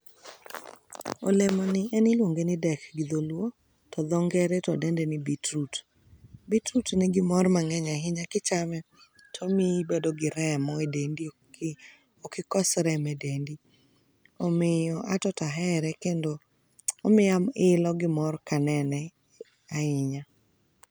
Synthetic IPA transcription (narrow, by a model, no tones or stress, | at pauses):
o̰lemɔnɪʔɛnɪlwoŋɡenɪdɛkɡɪd̪olwo | tɔd̪ɔŋɡɛɾɛtɔdɛndɛnɪbitɾut | bitɾutnɛɡɪmɔrmaŋɛɲaɦɪɲakɪt͡ʃamɛ | tʰomibedɔɡɪɾɛmɔɛdendi | okɪkɔsɾɛmɛdendi | omɪjɔʔatɔtaɦɛɾɛkendoː | mɪamɪlɔɡɪmɔrkanɛnɛ | aɪɲa